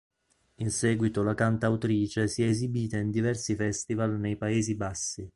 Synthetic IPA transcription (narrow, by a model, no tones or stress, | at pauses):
insɛːɡwit̪olakant̪awt̪ɾiːt͡ʃesiɛːzibiːt̪aind̪ivɛrsifɛst̪ivalnejpaeːzibasːi